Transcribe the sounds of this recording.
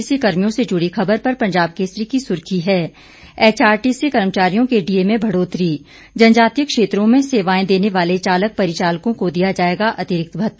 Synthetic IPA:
ɪsikɐɾmijõsed͡ʒʊɽixɐbəɾpɐɾpɐ̃ɲd͡ʒaːb̚keːsɾikisʊɾkʰiɦɛː | ɛːt͡ʃaːɾʈisekɐɾmt͡ʃaːɾijõkeɖiemẽbʱɐɽoːt̪ɾiː | d͡ʒɐnd͡ʒaːt̪ijəkʃeːt̪ɾõmẽseːʋaːẽd̪eːneʋaːlet͡ʃaːlək̚pɐɾɪt͡ʃaːlkõkod̪ijad͡ʒaːeːɡaʔɐt̪ɪɾɪk̚t̪bʱɐt̪

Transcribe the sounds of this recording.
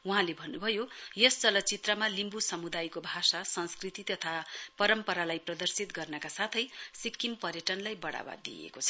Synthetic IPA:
uɦãlebʱʌnːubʱʌjojest͡sʌlʌt͡sit̪rʌmalimbusʌmud̪ajkobʱasasʌnskrit̪it̪ʌt̪ʰapʌɾʌmpʌɾalajprʌd̪ʌrsit̪ɡʌrnʌkasat̪ʰʌjsikːimpʌrjʌʈʌnlajbʌɽa̰ba̰d̪ːḭjḛkot͡sʰʌ̥

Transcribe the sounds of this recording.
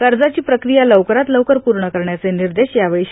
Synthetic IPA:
kəɾd͡zat͡ɕiːpɾəkɾijaləʋkəɾat̪ləwkəɾpuɾɳəkəɾɳjat͡seniɾd̪eɕjaʋəjɕ

